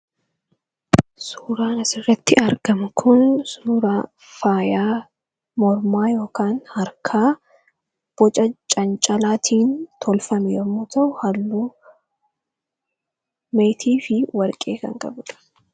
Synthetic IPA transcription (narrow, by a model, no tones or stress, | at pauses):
suːɾaːnɐsɪrːɛt̪ːɪɐɾɡɐmʊkʰʊnsuːɾaː | faːjaː | mɔɾmaːjo̞ːkaːnhɐɾkʰaː | b̥ɔt͡ʃʼɐt͡ʃʼɐnt͡ʃʼɐlaːt̪ʰiːnt̪ʰɔlfɐmɛjɔːmːɔːt̪ɐʔʊhɐlːuː | mejt̪ʰiːfɪwɐɾkʼe̞ːkɐ̰ŋkʼɐ̰bᶑ̪ɐ̥